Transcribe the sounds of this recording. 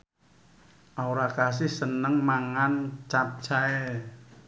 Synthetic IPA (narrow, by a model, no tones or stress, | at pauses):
ʔawɾakas̬ɪhsənəŋmaŋant͡ʃap̚t͡ʃʰaɛ